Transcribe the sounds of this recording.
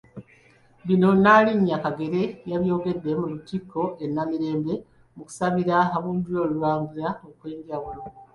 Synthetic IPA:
βino̞naliɲːakaɡe̞ɾe̞jaβjo̞ːɡe̞dːe̞mulutiko̞ʔenːamiɾe̞ːmbe̞ | muku̥saβiɾaɦaβuːndujo̞luɾaːmɡuɾaokwe̞ːɲɟawulo̞

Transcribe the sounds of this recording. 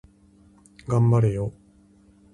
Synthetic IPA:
ɡãmbaɾɯjo

